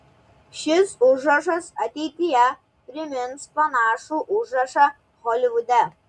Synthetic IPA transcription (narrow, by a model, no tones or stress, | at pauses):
ʃʲɪsʊʒɾɐʃɐsɐt̪ʲɛɪt̪ʲɪjɛ | pʲɾʲɪmʲɪnspɐnɑːʃuːʔʊʒɾɐʃɐ | ɣɔlʲɪʋʊd̪ʲɛ